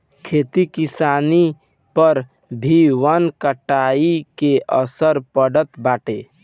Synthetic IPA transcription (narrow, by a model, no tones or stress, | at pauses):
kʰet̪ikisaːni | pəɾ | bʱiʋənkəʈaikeʔəsəɾpəɽət̪baːʈe